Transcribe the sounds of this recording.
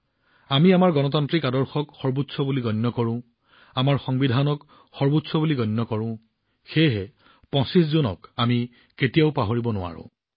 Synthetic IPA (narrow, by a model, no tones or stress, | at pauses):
amiamaɹɡɔnɔt̬antɹikadɔɹxɔkxɔɹbutsɔbuliɡɔjnːɔkɔɹʊ̃ | amaɹxɔŋbidʱanɔk | xɔɹbutsɔbuliɡɔjnːɔkɔɹʊ̃ | xejɦɛ | pɔ̃siszonɔ̰kami | ketijaʊpaɦoɹibɔnʊa̰ɹʊ̰̃